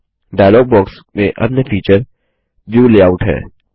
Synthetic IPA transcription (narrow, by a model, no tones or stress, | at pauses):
ɖaːjlɔːɡ̚bɔːks | mḛ̃ʔɐ̰pnefʰiːt͡ʃəɾ | ʋjuːleːaːʊʈɦɛ̰ː